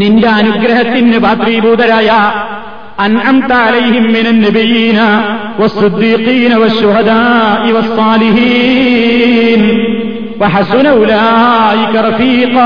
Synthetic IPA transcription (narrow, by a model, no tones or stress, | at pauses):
nɪɳɖaːɐnʊɡɾɪɦɐt̪ːɪnːɪbaːt̪ɾiːbuːd̪ɐɾaːjaː | ʔɐnʕamt̪aʕalɐjɦɪmːɪnɐnːɐbijːiːna | wɐsˤːɨd̪ːiːqiːnɐwɐʃːʊɦɐd̪aːʔɪwɐsˤːɑːlɪhi | n | wɐħasʊnaʔʊlaʔɪkɐɾˤɑfiːq